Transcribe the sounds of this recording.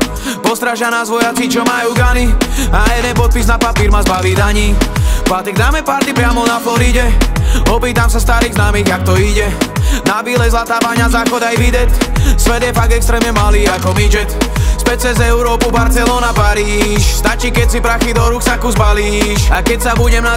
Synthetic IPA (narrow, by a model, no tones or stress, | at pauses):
pɔst̪ɾaʒjanazʋɔjat͡sit͡ʃɔmajuɡaniajɛd̪ɛnpɔt̪̚piznapapiːɾmazbaʋiːd̪aɲiːpaːt̪ɛɡ̚d̪aːmɛpaɾt̪ipɾɪamɔnafɔɾiɟɛɔpiːt̪amsast̪aɾiːɣznaːmiːɣak̚t̪ɔiɟɛnabiːlɛjzlat̪aːʋaɲazaːxɔd̪ajʋid̪ɛt̪sʋɛd̪jɛfaɡ̚ɡ̪ɛkst̪ɾɛːmɲɛmaliːakɔʋid͡ʒɛt̪spɛt͡sɛzɛuɾɔːpubaɾt͡sɛlɔːnapaɾiːʃst̪at͡ʃiːkɛcsipɾaxid̪ɔɾuksakuzbaliːʃakɛcsabuɟɛmna